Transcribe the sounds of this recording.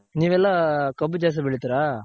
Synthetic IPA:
niːʋɛlːakɐbːud͡ʒaːs̬ɐbɛɭit̪iɾaː

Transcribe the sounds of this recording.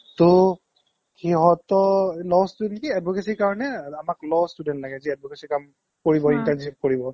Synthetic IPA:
tʊ | xɛɦɔtɔlɔstudɛntkiadbɔkesikaɹɔnɛamaklɔstudɛntlaɡɛziɛdbɔkesikam | koɹibɔintɛnsifkoɹibɔ

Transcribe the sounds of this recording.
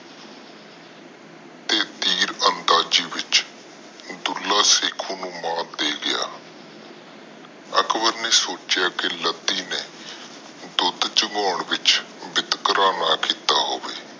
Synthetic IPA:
t̪eːt̪iːɾənd̪aːd͡ʒiːʋɪt͡ʃ | d̪ʊlːaːseːkʰuːnũːmãːd̪eːɡɪja̰ː | əkʰbəɾneːsoːt͡ʃjaːkɪlət̪ːiːneː | d̪ʊd̪t͡ʃəŋɡɔːɳʋɪt͡ʃ | bɪt̪kəɾaːnaːkiːt̪aːɦoːʋeː

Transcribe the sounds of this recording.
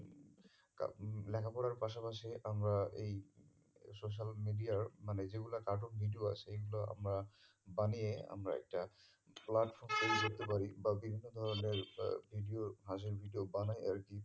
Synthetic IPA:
ka̰lɛkʰapɔɽaɹpas̬apasɛʔamɹaej | sos̬almidiaɹmanɛziɡulakat̬ɔbʱidijoa̰sɛejɡulaa̰mɹa | banijɛa̰mɹa̰ɛ̰k̚ta | platpʰɔɹmkoɹizot̪epaɹibabibʱinːɔd̪ʱɔɹɔneɹbʱidijoɦãs̬iɹbʱidijobanaja̰ɹki

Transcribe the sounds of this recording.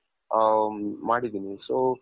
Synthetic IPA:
maːɽid̪iːnisoː

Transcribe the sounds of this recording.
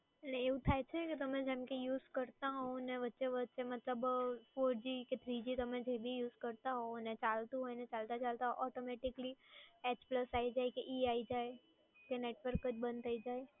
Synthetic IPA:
neeʋũt̪ʰajt͡ʃʰeket̪əmẽd͡ʒemkejuːzkəɾt̪aɦɔoneʋət̪ːʃeʋət̪ːʃemət̪ləbfoɾd͡ʒiket̪ʰɾid͡ʒit̪əmẽd͡ʒebʱijuːzkəɾt̪aɦonet͡ʃalt̪ũɦojnet͡ʃalt̪at͡ʃalt̪aɦoʔɔʈomɛʈɪkliɛt͡ʃpləsaid͡ʒaekeʔiaid͡ʒae | keneʈʋəɾkət͡ʃbə̃nt̪ʰəid͡ʒae

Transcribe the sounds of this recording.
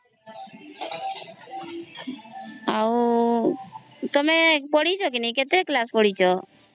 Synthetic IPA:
aw | t̪ɔmepɔɽit͡ʃʰɔk̬inaiket̪ɾeklaspɔɽit͡ʃʰɔ

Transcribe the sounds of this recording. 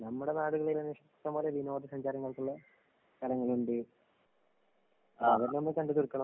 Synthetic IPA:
nɐmːuɽenaːɽuɣɐɭilɐniʂɐt̪ːɐmboːleʋinoːd̪isɐɲd͡ʑaːɾɐŋːɐɭkuɭːɐ | k̪ɐlɐŋːɐɭuɳɖɨ | ɐʋɐɾnɐmːekɐɳɖuðurkːɐɳɐ

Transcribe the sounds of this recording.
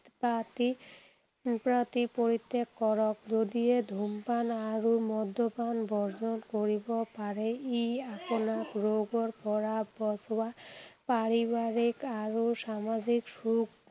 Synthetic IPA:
pat̪i | pɾat̪ipoɾit̪ːekːɔɾokd͡ʑod̪ied̪ʱumpanaɾumɔd̪ʱːobanbʱɔɾd͡ʑonkoɾibopaɾeiaponakɾoɡoɾpɔɾabɔswapaɾibaɾikaɾoʃamad͡ʑikʃuk

